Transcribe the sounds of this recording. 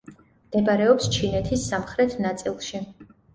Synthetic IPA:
md̪̥ɛbaɾɛɔpst͡ʃʰinɛt̪ʰisːamχɾɛt̪ʰnat̪sʼilˠʃi

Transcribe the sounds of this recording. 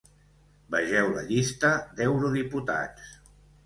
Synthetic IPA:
bəʒɛwlə̰ʎist̪əd̪ewɾuðiput̪a̰t͡s

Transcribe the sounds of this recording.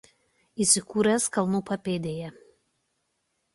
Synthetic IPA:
iːˑsʲɪkuːɾʲɛskɐlˠnuːpɐpʲeːd̪ʲeːjɛ

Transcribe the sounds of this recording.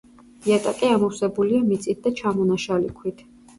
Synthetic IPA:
iat̪ʼakʼiamɔwsɛbuliamit̪sʼit̪̚d̪at͡ʃʰamɔnaʃalḭkʰwit̪ʰ

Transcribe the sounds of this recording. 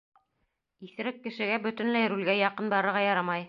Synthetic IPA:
iθ̆ɾɘkːɘ̆ʃɘ̆ɡæbɵ̆t̪ɘ̆nlæjɾʉlɡæjɑqɤnbɑɾɤ̆ɾʁɑjɑɾɑmɑj

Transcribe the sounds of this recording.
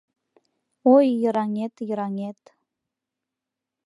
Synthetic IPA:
ojːɤɾɑŋet̪jɤ̆ɾɑŋet̪

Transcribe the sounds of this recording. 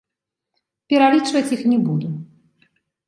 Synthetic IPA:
pʲɛɾalʲit͡ʂvɐt͡sʲixnʲɛbud̪u

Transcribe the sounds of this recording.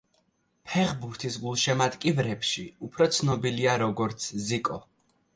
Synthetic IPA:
pʰɛʁbuɾt̪ʰisɡulˠʃɛmat̪kʼivɾɛpʃiupʰɾɔt̪sʰnɔbiliaɾɔɡɔɾt̪sʰzikʼɔ

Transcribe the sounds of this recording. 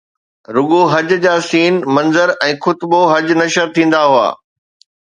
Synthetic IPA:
ɾʊɡoɦɐd͡ʑd͡ʑaːsiːnmɐ̃nzəɾɛ̃ːxʊt̪boɦɐd͡ʑnɐʃəɾt̪ʰĩːn̆d̪aɦua̰ː

